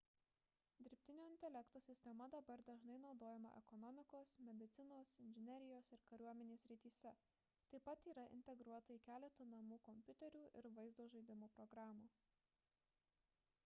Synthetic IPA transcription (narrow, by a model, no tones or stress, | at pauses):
d̪ʲɪɾʲpʲt̪ʲɪnʲoːɪnʲt̪ʲɛlʲɛkt̪oːsʲɪsʲt̪ʲɛmɐd̪ɐbɐɾd̪ɐʒnɐɪnɒʊd̪oːjɛmɐ̰ʔɛ̰kɔnɔmʲɪkoːsmʲɛd̪ʲɪt̪sʲɪnoːsɪnʲʒʲɪnʲɛɾʲɪjoːsɪɾkɐɾʲuɔmʲɛnʲeːsʲɾʲɪt̪ʲiːsʲɛ | t̪ɐɪpɐt̪iːɾɐʔɪ̰nʲt̪ʲɛɡɾuɔt̪ɐikʲæːlʲɛt̪ɐnɐmuːkɔmʲpʲʊt̪ʲɛɾʲuːʔɪɾʋɐɪzd̪oːʒɐɪd̪ʲɪmoːpɾɔɡɾɑːmuː